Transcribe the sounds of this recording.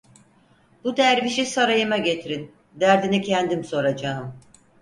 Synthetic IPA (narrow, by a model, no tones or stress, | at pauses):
b̥ud̪æɾviʃisaɾajɯmaɟe̞t̪ʰiɾin | d̪æɾd̪inicʰænd̪imso̞ɾad͡ʒaːɯm